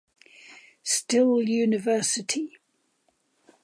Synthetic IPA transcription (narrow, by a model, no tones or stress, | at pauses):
stɪlˠjʉːnɪvɜˑsɪtʰi